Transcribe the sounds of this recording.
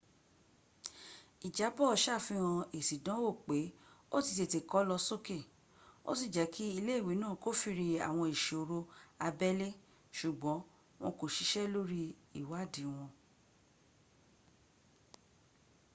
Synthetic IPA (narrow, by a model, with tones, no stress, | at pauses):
i˨d͡ʒa˨˦bɔ˦˨˦ʃa˦˨fĩ˧ɾ̃ã˧e˨si˨dã˨˦wo˦˨k͡pe˨˦o˦ti˧te˧˨te˨kɔ˦lɔ˧so˦˨ke˦˨ | o̰˦s̬i˦˨d͡ʒɛ˨˦kʰi˦i˧le˦˨wi˨˦nãː˦˨ko˦fĩ˧ɾi˧a̰˨w̃ɔ̃˧i˨ʃe˨o˧ɾo˧a˧bɛ˦le˦ | ʃu˨ɡ͡bɔ̃˨˦ | w̃ɔ̃˧ko˨ʃi˨˦ʃɛ˦lo˦ɾi˧ | i˦˨wa˨˦˨di˨˦w̃ɔ̃˧